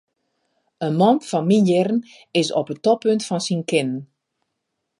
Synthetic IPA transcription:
ənmɔnfɔnminjɪrən | ɪsɔpətɔpøntfɔnsinkɪnən

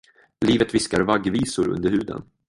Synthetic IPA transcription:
liːvət̪vɪskaɾvaɡːviːsʊɾɵ̰nd̪əɾhʉ̟ːd̪ə̰n

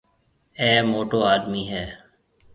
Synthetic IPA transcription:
ɛːmoːʈoːaːd̪miːɦɛː

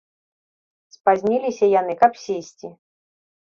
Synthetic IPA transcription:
spazʲnʲilʲisʲɐjanɨkɐpsʲesʲt͡sʲi

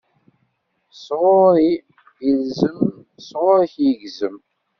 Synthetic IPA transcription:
sʁʊɾi | jəlzəm | sˤʁoɾçjəɡzəm

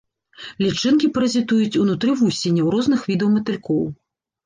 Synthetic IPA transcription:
lʲit͡ʂɨnkʲipɾɐzʲit̪ujut͡sʲunut̪ɾɨvusʲenʲːɛwɾɔzn̪ɨxvʲid̪ɐwmɐt̪ɨlʲkɔw

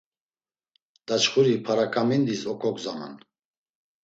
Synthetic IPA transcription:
d̪̥at͡ʃχuɾipʰaɾakʼamind̪isɔkʰʼɔkzamɛ̰n

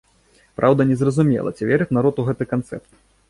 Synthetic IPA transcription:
pɾʔawd̪ɐnʲɛzrɐzumʲɛ̰lˠɐ̰t͡sʲivʲɛɾɨt͡s̪ʲnaɾɔt̪uɣɛt̪ɨkant̪sɛ̰pt̪

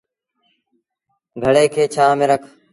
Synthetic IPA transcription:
ɡʱəɽeːkʰeːt͡ʃʰaːmẽːɾəkʰ

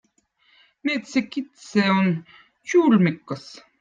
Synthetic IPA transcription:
neːt̪sekit̪seon | t͡ʃuːlmikːɑs

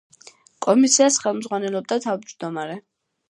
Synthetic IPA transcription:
kʼɔmisiasχɛlˠmzʁwanɛlˠɔb̚d̪at̪ʰavd͡ʒd̪ɔmaɾɛ

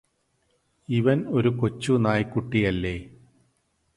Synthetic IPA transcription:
iʋɐno̞ɾuko̞t͡ɕːunaːjkːuʈːijɐlːeː

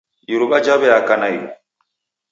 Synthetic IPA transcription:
juɾuɓad͡ʒabɛjakanajiɾṵ

